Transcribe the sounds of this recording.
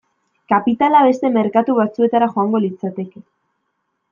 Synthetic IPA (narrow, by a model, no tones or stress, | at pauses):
kapit̪alaβe̞st̪e̞me̞ɾkat̪uβat͡sue̞t̪aɾaxo̞aŋɡo̞lit͡sat̪e̞ke